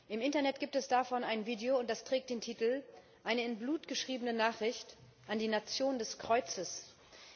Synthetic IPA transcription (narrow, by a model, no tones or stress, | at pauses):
ʔɪmɪntɐnɛt̚ɡ̥iːp̚tɛsd̥afɔnaɪnviːdeoʊnt̚d̥astʁ̥ɛːk̚t̚d̥eːntʰiːtl̩ | ʔaɪnəɪnbluːtɡ̥əʃʁ̥iːbənənaːχʁ̥ɪçt | ʔandiːnat͡sjoːndɛskʁ̥ɔʏt͡səs